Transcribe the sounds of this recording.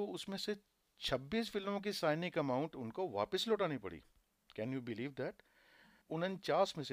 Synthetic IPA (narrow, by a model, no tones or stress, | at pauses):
oʊsmẽse | t͡ʃʰɐbːiːsfɪlmõk̬isaːɪnɪkɐmaːʊ̃ɳʈʊnkoʋa̰ːpɪsloːʈaːnipɐ̰ɽḭː | kɛ̃njuːbɪliːʋd̪ɛʈ | ʊnə̃nt͡ʃaːsmes